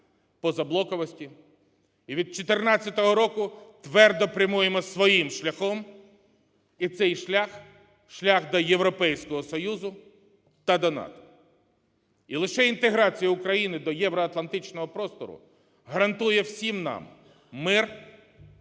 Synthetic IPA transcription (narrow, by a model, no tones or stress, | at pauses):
pɔzɐblˠɔkɔʋɔsʲtʲi | iʋʲid̪̚t͡ʃɔt̪ernɑt͡sʲːɐt̪ɔɦɔɾɔkʊt̪ʋɛrd̪ɔpɾʲɐmujemɔsʋɔjimʃlʲɐxɔm | it̪sɛjʃlʲax | ʃlʲaxd̪ɐjeʋɾɔpɛjsʲkɔɦɔsɔjuzʊ | t̪ɐd̪ɐnɑ̰t̪ɔ̥ | ilˠɪʃɛint̪eɦɾɑt͡sʲijɐʊkɾɐjinɪd̪ɔjɛʋɾɔɐt̪lˠɐnt̪ɪt͡ʃnɔɦɔpɾɔst̪ɔ̰ɾʊ̰ | ɦɐɾɐnt̪ujɛwsʲimnɑ̰mː | ɪr